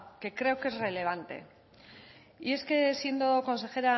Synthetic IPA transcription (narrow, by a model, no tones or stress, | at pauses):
ke̞kɾe̞oke̞zre̞le̞β̞ant̪e̞̰ | ie̞ske̞sje̞nd̪o̞ko̞nse̞xe̞ɾa